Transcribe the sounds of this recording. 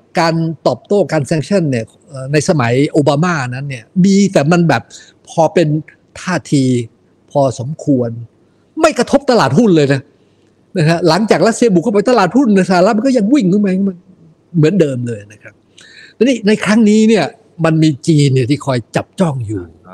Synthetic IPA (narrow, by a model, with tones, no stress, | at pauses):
kaː˧nt̪ɔː˨˩p̚t̪oː˥˩kaː˧nsɛ˧ŋt͡ɕʰa˥˩nːi˥˩ɐ | ʔəː˨˩na˧jsa˧ma˩˦jʔoː˧baː˧maː˥˩ʔna˦˥nːi˥˩ɐmiː˧t̪ɛː˨˩ma˧nbɛː˨˩p̚ʰ | ɔː˧pe˧n | t̪ʰaː˥˩t̪ʰiː˧ | pʰɔː˧so˩˦mkʰu˧ən | ma˥˩jkɾa˧t̪ʰo˦˥p̚t̪a˧laː˨˩t̪̚hu˥˩nlɤː˧jna˦˥˩ | na˦˥kʰa˦˥la˩˦ŋt͡ɕaː˨˩k̚ɾa˦˥t̪̚si˧bu˨˩kʰpa˧jt̪a˧laː˨˩t̪̚hu˥˩nːa˧˥˩saː˨˦la˦˥m˧nkɔ˥˩ja˧ŋwi˥˩ŋkʰɔ˥˩ma˧˩kma˧˥˩ | mɯ˩˦əndɤː˧mlɤː˧jna˦˥kʰa˦˥p̪̚ | ɛ˧˩niː˥˩na˧jkʰɾa˦˥ŋniː˦˥ni˥˩ɐə | ma˧nmiː˧t͡ɕiː˧nːi˥˩t̪ʰiː˥˩kʰɔː˧jt͡ɕa˨˩p̚t͡ɕɔ˥˩ŋjuː˨˩